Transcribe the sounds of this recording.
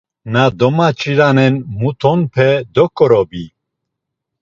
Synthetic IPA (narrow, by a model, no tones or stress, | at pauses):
nad̪ɔmat͡ʃʰʼiɾanɛnmut̪ʰɔnpʰɛd̪ɔkʼɔɾɔbi